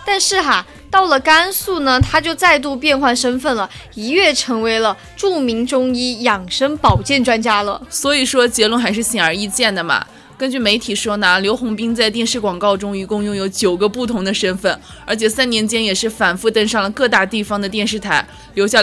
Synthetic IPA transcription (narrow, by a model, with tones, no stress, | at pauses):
t̪a˥˧nʂɻ̩˥˩xa˧˩ | t̪ɑ˥˩ʊlə˩ka˥nsu˥˩nə˩t̪ʰa˥t͡ɕjo˥˧ʊt͡sa˥˧ɪt̪̬u˥˧pjɛ˥˧nxwa˥˩nʂə˥nfə˥˩nlə˩i˧˥ɥɛ˥˩ʈ͡ʂʰɤ˧˥ŋwe˧˥ɪlə˧ | ʈ͡ʂu˥˩mi˧˥ŋʈ͡ʂʊ˥ŋi˥jɑ˨˩ŋʂə˥ŋpɑ˨˩ʊt͡ɕjɛ˥˩nʈ͡ʂwa˥nt͡ɕja˥lə̰˨swɔ˧˥i˨˩ʂwɔ˥t͡ɕjɛ˧˥lwə˥˧nxa˧˥ɪʂɻ̩˥˩ɕɛ˨˩nə˞˧˥i˥˧t͡ɕjɛ˥˩nd̪ə˩mɐ̰˩ | kə˥nt͡ɕy˥˩me˧˥ɪt̪ʰi˨˩ʂwɔ˥na˧˥ljo˧˥ʊxʊ˧˥ŋpi˥ŋt͡sa˥˧ɪt̪jɛ˥˧nʂɻ̩˥˩kwɑ˨˩ŋkɑ˥˩ʊʈ͡ʂʊ˥ŋi˧˥kʊ˥˧ŋjʊ˥˩ŋjo˧˥ʊt͡ɕjo˨˩ʊɡə˦pu˥˩t̪ʰʊ˧˥ŋd̪ə˧ʂə˥nfə˥˩n | ə˞˧˥t͡ɕʰjɛ˨˩sa˥njɛ˧˥nt͡ɕjɛ˥njɛ˨˩ʂɻ̩˥˩fa˨˩nfu˥˧t̪ə˥nʂɑ˥˩ŋlə˩kɤ˥˧t̪a˥˧t̪i˥˩fɑ˧˥ŋd̪ə˨t̪̬jɛ˥˧nʂɻ̩˥˩t̪ʰa˧˥ɪ | ljo˧˥ɕja˥˧˩